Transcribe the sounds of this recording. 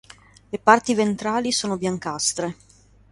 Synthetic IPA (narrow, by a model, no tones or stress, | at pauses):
lepart̪ivent̪ɾaːlisoːnobjaŋkast̪ɾe